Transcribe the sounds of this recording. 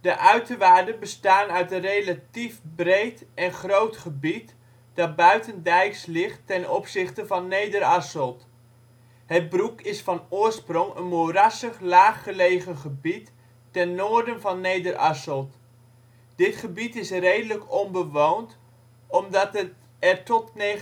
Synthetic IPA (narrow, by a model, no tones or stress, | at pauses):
d̥əʔœɥtəʋaːdənbəstaːnœɥtənrejlatifbrejtɛnχrowtχəbit | d̥ɑt̚bœɥtəndɛjkslɪχtːɛnɔpsɪχtəvɑnːejdəɾɑsəlˠt | hət̚brukɪsfɑnʊːrsprɔŋə̰nmorasəχlaːχːəlejχənχəbitː | ɛnːoːrdənvɑnːejdərʔɑsəlˠt | d̥ɪtχəbitɪsrejdələkɔnbəʋownt | ɔmdɑtə | ɛrtɔtne